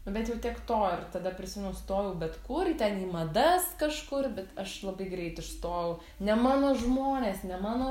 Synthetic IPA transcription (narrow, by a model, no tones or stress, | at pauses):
nʊbʲɛt̪jɛʊt̪ʲiɛkt̪oːɪrt̪ɐd̪ɐpʲɾʲɪsʲɪmʲɛnʊst̪oːʋɛʊbʲɛt̪kʊrt̪ʲɛniːmɐd̪ɐskɐʃkʊrbʲɛt̪ɐʃlˠɐbɐɪɡɾʲɛɪt̪ɪʃst̪oːʋɛʊ | nʲɛmɑːnoːʒmoːnʲeːsnʲɛmɑːnoː